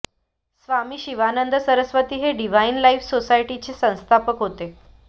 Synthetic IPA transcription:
sʋamiːɕiʋanənd̪ʱəsəɾəsʋət̪iːɦeɖiʋainlaifsosaiʈit͡ɕesə̃w̃st̪ʰapəkɦot̪e

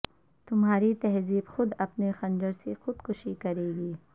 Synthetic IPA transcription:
t̪ʊmɦaːɾit̪ɛɦziːbxʊd̪ɐpnexɐ̃nd͡ʒəɾsexʊd̪kʊʃikɐɾeːɡiː

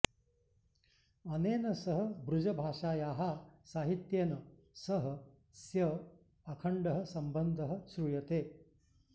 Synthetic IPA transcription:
ɐneːnɐsɐɦɐ̆bɾud͡ʒɐbʱaːʂaːjaːɦasaːɦit̪jeːnɐ | sɐɦɐ̆ | sjɐ | ɐkʰɐɳɖɐɦɐ̆sɐmbɐnd̪ʱɐɦɐ̆ʃɾujɐt̪eː

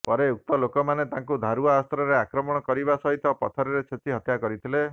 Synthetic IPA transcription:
pɔɾeuk̚t̪ɔlokɔmanet̪ãŋkud̪ʱaɾuaːst̪ɾɔɾeakɾɔmɔɽ̃ɔkɔɾibasɔɦit̪ɔpɔt̪ʰɔɾiɾet͡ʃʰet̪ʰiɦɔt̪jakɔɾit̪ʰile

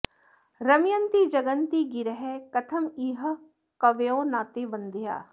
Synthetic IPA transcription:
ɾəmɪjənt̪iːd͡ʒəɡənt̪iːɡɪɾəɦɛːkət̪ʰəmiːɦə | kəʋeoːnaːt̪eːbənd̪ja̰ː

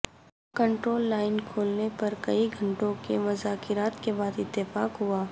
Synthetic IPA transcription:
kə̃ɳʈɾoːlːaːɪnkʰoːlnepɐɾkɐiɡʱɐ̃ɳʈõkemʊzaːkɪɾaːt̪kebaːd̪ɪt̪ːɪfaːkɦʊaː

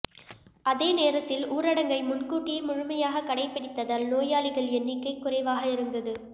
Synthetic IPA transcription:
ʔɐðeːneːɾɐt̪ːɪluːɾɐɽɐŋɡɐɪmʊnkuːʈːɪjɐmʊɻʊmɐjaːɣɐkːɐɽɐɪpːɪɽɪt̪ːɐðaːlnoːjaːɭɪɣɐɭɛnːɪkːɐɪkːʊrɐɪʋaːɣɐɪɾɯŋɡɐðɯ

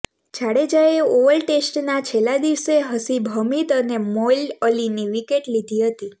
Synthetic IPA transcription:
d͡ʒaɽed͡ʒaeoʋəlʈesʈnat͡ʃʰelad̪iʋseɦəsibʱəmit̪ənemoiləliniʋikeʈlid̪ʱiɦət̪i

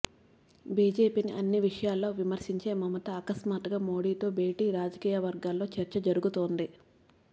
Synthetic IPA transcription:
biːd͡ʒe̞ːpiːniʔɐnːiʋiʂɐjaːlːo̞ːʋimɐɾʂiɲt͡ʃe̞ːmɐmɐt̪ɐɐkɐsmaːʈ̪ɐɡaːmo̞ːɽiːt̪o̞ːbe̞ːʈiːɾaːd͡ʒɐkiːjɐʋɐɾɡaːlːo̞ːt͡ʃɐɾt͡ʃɐd͡ʒɐɾuɡut̪oːnd̪i

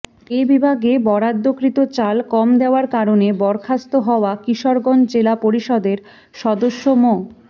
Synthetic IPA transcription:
ebibʱaɡebɔɾad̪ːokɾit̪ot͡ɕalkɔmd̪eoaɾkaɾonebɔɾkʰast̪oɦɔoakiʃoɾɡond͡ʑelapoɾiʃɔd̪eɾ | ʃɔd̪oʃːomo

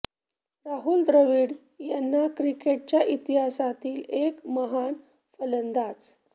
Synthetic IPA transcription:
ɾaɦuld̪ɾəʋiːɽ | janːakɾikeʈ̚t͡ɕjaʔit̪iɦasat̪iːlekməɦan | fələnd̪at͡s

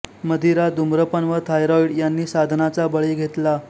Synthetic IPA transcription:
məd̪ʱiɾad̪umɾəpənʋət̪ʰajɾɔiɽjanːiːsad̪ʱnat͡sabəɭiːɡʱet̪la

